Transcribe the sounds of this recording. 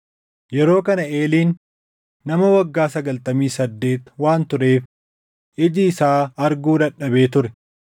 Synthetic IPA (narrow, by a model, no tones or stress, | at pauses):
jɛɾo̞ːkɐnɐeːliːnː | ɐmɐwɐɡːaːsɐɡɐlt̪ɐmiːsɐd̪ːe̞ːt̪waːnt̪ʊɾe̞ːf | ʔɪd͡ʒɪːsaːɐɾɡuːᶑɐᶑːɐbe̞ːt̪ʊɾɛ